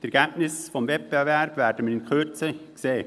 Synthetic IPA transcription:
tɛɾkɛntnɪsfɔmvɛt̚b̥evɛb̥vɛɾdəmənɪnkʰøt͡səkseː

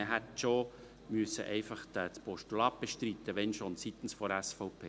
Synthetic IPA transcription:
əɦætʃo | myəsə̰ʔɛɪfɑχtæt͡spɔʃtulɑːp̚b̥eʃt̪ɾit̪ːəʋɛnʃont͡sit̪ən̩sfɔɾæsfɔʊpʰeː

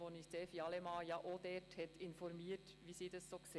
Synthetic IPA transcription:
onɪçseːfiɑlɛmɑːjɑʔoːd̥̪ɛthɛtɪnfɔɾmiːt | ʋiːsiːdɑssoːks

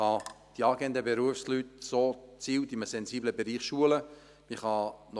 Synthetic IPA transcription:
ɑ | d̥iɑːɡɛnd̪əbeɾuəfslytsoːt͡siːwtiməsɛnsiːbləbeɾiːχʃuələ | miχɑnɔ

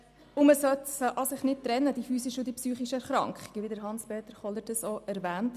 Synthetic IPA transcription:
ʊməsœtsʔɑsɪχnɪt̚tɾɛnːəd̥ifyːsɪʃodipsyːχiʃəæχɾɑ̰ŋkχɪ̥ɡ̥ʋidəɾɦɑnspeːt̪əɾχɔləɾd̥əsoʔæɾvɛːnt

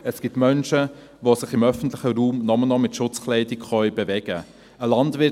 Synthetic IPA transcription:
əsɡ̥ɪtmœnʃə | vosɪχɪmœfən̩tlɪχəɾuːmnɔmənɔmɪtʃʊt͡sklɛɪdɪkχœʏbevɛɡ̥ə | əlɑndvɪ

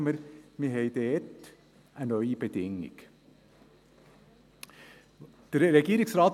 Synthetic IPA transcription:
məɾmiheɪd̪eɛt̪ː | ʔænœʏbət̪ʰɪŋːɪ̰ɡ̥ | ɾɛɡiːɾɪŋsɾɑːt̪

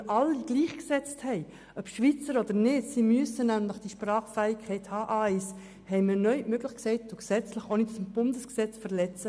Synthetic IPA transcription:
ʔɑlːiɡ̥liːχksɛt͡sthɛɪ | ʔœpʃʋit͡səɾɔd̥əɾnɪtsiːmyəsənæmləχd̥iʃprɑːχfæɪkʰːɛɪthɑːʔaɪs | hɛɪminœʏmøɡlɪχksɛɪtdoɡsɛt͡slɪχonitsmb̥ʊndəsksɛt͡sfəʁlɛt͡sə

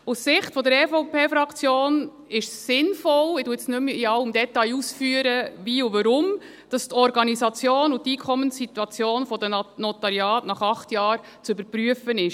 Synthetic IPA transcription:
ussɪχtfɔd̪əɾɛfɔʊpʰeːfɾɑkʰt͡sjoːn | ɪʃsːɪnfɔlɪduːəsnømɪɑʊmd̪ɛtɑjusfyəɾəʋiːuʋɑɾʊm | d̥ɑstɔɾɡɑnisɑt͡sjoːnʊtːiːkʰχɔmənsːituɑt͡sjoːnfɔd̪ənɔt̪ɑɾjɑːtnɑχɑχtjɑːɾ | t͡søbəɾpɾyəfənɪʃ

